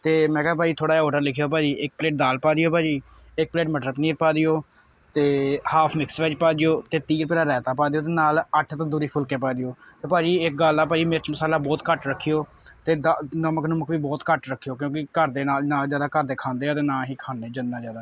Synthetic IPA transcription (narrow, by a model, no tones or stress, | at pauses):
t̪eːmɛ̃ːkɛaːp̬aːd͡ʒiːt̪ʰoːɽaːɔːʈəɾlɪkʰːjoːp̬aːd͡ʒiːʔɪk̚pleːʈ̚d̪aːlpaːd̪ijoːpaːd͡ʒiːɪk̚pleːʈməʈɾəpnĩːɾ̚paːd̪iːjoː | t̪eːhaːpʰmɪksʋɛːd͡ʒpaːd͡ʒ̪ijoːt̪eːt̪iːɾpɛːlaːɾɛːt̪ãːpaːd̪ijoːt̪eːnaːləʈʰt̪ãːd̪uːɾiːpʰʊlkeːpaːd̪iːoːt̪eːpaːd͡ʒiːɪk̚ɡaːlːaːpaːd͡ʒiːmɪɾt͡ʃməsaːlaːbɔːt̪kəʈɾəkʰːijoː | t̪eːd̪anəməknəməkʋiːbɔːt̪kəʈɾəkʰːijoːk̬jõːk̬ɪkəɾd̪eːnaːlnaːlzjaːd̪aːkəɾd̪eːkʰãːnd̪eːaːt̪eːnãːɦiːkʰaːneːd͡ʒənãːd͡ʒjaːd̪aː